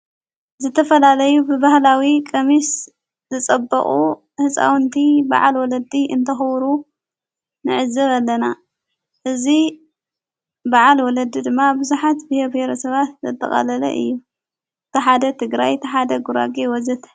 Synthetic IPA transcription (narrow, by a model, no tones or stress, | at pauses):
zɨt̪ʰɐfɐlalɐjubɨbahlawikʼɐmis | zɨt͡sʼɐbːɐ̰χʼu | hɨt͡sʼa̰wnt̪ʰiba̰ʕalwɔlɐd̪iʔɨnt̪ʰɐxwɾu | nɨʕɨzːɐβalːɐna | ʔɨzi | baʕalwɔlɐd̪ːid̪ɨmːabɨzuħat̪bihebheɾɐsɐβat̪zɐt̪ʰʼːɐ̰χʼɐ̰lɐlɐ̰ʔɨ̰jːu | t̪ʰɨħad̪ɐt̪ʰɨɡɾajt̪ʰɨħad̪ɐɡuɾa̰ɡewɔzɐt̪